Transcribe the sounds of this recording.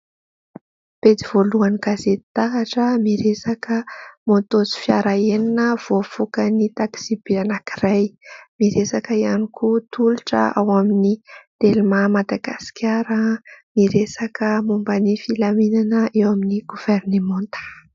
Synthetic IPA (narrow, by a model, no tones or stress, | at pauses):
pet͡s̪iv̥oluaniɡazet̪i̥t̪aɦaʈ͡ʂəmiɾesakəmot̪ozi̥fjaɾaeninəv̥ofukənit̪aki̥z̥ibianakirajmiɾesakəianikʰut̪ʰuliʈ͡ʂə̰a̰waminid̪̥elmamad̪aɡasi̥kʲjaɾəmiɾesakəmumbənifilaminanəʔewaminiɡ̥uv̥ɛrnemɔnt̪ə̥